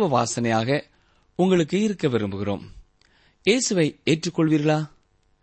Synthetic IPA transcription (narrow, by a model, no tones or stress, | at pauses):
ʋɐʋaːsɐnɐjaːɣɐ | ʊŋɡɐɭɯkːɯɪɾɯkːɐʋɪɾɯmbɯɣɪro̰ːm | jeːsɯʋɐɪeːʈrɯkːɔɭʋiːɾɣɐɭaː